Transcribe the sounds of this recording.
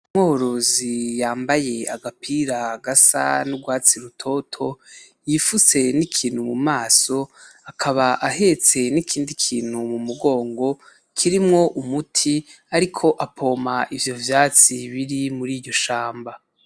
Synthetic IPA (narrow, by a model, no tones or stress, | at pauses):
umohoɾozijaːmbaje̞aɡapʰiɾaɡasa̰nuɡwaːt͡siɾutʰo̞tʰo̞ | jifuse̞nikʰiːn̥humumaːso̞akʰaβaʔahe̞t͡se̞nikʰiːndikʰiːn̥humumuɡo̞ːŋɡo̞ | kʰiɾimŋo̞ʔumutʰi | aɾikʰo̞ʔapʰo̞ːmaʔivjo̞vjaːt͡siβiɾimuɾiːɾɟo̞ʃaːmba